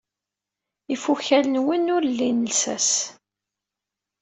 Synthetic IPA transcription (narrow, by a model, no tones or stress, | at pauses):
ifuçælənwənʊɾlːinəsæ̰s